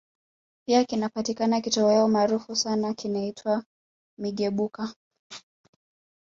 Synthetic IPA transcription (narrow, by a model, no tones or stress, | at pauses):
piakinapatikanakitɔɔjaɔmaːɾufusanakinaitʰwa | miɠɛɓuka